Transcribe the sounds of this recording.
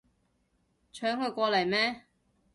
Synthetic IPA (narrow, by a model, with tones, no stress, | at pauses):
t͡ʃʰœː˨˥ŋkʰɵ˨˧ɥkʷɔː˧lɐ˨˩jmɛː˥